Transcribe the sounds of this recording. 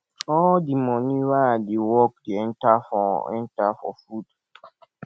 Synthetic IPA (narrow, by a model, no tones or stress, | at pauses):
ɔldimɔniwadewɔk̚deɛ̃ntafɔɛ̰̃ntafɔ̰fud